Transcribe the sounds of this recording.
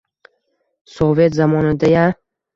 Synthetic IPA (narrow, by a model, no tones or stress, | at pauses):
sove̞t̪zamɒnɪd̪aja